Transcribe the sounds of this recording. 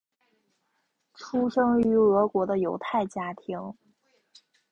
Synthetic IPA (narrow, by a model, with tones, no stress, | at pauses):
ʈ͡ʂʰu˥ʂɤ˥ŋy˧˥ɤ˧˥kwɔ˧˥d̪ə˧jo˧˥ʊt̪ʰa˥˩ɪt͡ɕja˥t̪ʰi˧˥ŋ